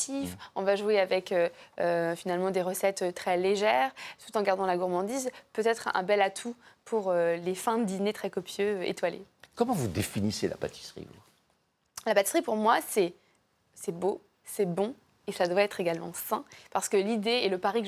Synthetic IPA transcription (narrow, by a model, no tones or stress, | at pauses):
t̪ifɔ̃vaʒueavɛkøøfinalmɑ̃d̪eʁəsɛt̪t̪ːχɛleʒɛːʁt̪u̥t̪ɑ̃ɡaʁd̪ɑ̃laɡuʁmɑ̃d̪izpøt̪ɛt̪χɛ̰̃bɛlat̪ʰupʰuʁølefɛ̃d̪inet̪χɛkɔpjøḛt̪walḛ | kɔmɑ̃vud̪efinisela̰pa̰t̪i̥sχḭvṵ | lapat̪isχipuʁmwasɛ | sɛbo | sɛbɔ̃ | esəlad̪əvʁaɛt̪χeɡalmɑ̰̃sɛ̃paʁsə̥kəlid̪eeləpaʁik